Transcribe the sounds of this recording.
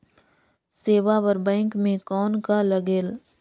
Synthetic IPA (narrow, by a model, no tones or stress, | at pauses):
seːʋaʋəɾbɛ̃ːŋkmẽkɔːnkalɐɡeːl